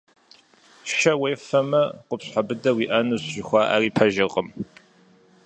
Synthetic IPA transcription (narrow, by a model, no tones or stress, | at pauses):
ʃɐweːfɐmɐqʷʊpɕħabɨdɐwiːʔɐnuɕʒɪxʷɑːʔa̰ːriːpʰɐʒɪqʼəm